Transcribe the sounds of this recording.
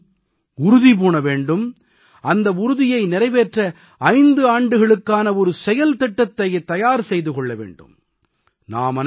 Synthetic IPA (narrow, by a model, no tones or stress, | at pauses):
ʊɾʊðip̬oːnɐʋeːɳɖɯm | ɐnd̪ɐʊɾʊðɪjɐɪnɪɾɐɪʋeːʈrɐ | ɐɪnd̪ɯaːɳɖɯɣɐɭɯkːaːnɐɔɾɯsɛjɐlt̪ɛʈːɐt̪ːɐjet̪ːɐjaːɾsɛjðɯkɔɭːɐʋḛːɳɖɯ̰m | na̰ːmɐn